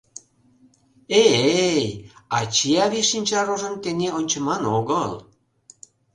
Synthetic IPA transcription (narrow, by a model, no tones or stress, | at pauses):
ejɑt͡ɕiɑβiʃinʲt͡ɕɑɾoʒə̆nt̪eŋeonʲt͡ɕə̆mɑnoɣəl